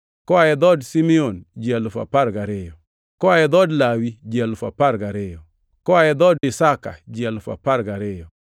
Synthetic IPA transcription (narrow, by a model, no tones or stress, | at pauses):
kɔaɛd̪ɔdsimiond͡ʒialʊfa̰paɾɡaɾɪjɔ | kɔaɛd̪ɔdlawid͡ʒialʊfa̰paɾɡaɾɪjɔ | kɔaɛd̪ɔdɪsaka̰d͡ʒialʊfa̰paɾɡaɾɪjɔ